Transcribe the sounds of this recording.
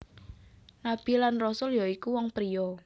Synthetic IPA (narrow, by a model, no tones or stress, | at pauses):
nab̥i̤lanrɔsʊljɔikuwɔŋpɾijɔ